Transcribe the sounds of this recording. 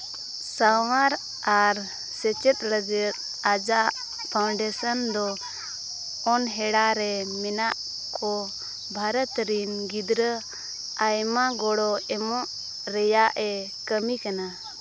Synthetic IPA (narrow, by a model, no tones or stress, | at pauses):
sawaɾ | aɾ | sɛt͡ʃɛt̪ləd͡ʒɛt̪ | ad͡ʒaʔ | pʰawɳɖɛsənd̪ɔ | ɔnɦɛɽaɾɛmɛnaʔ | kʰɔ | bʱaɾət̪ɾinɡid̪ɾə | ajmaɡɔɽɔɛmɔ̃ʔ | ɾɛjaʔɛ | kəmikana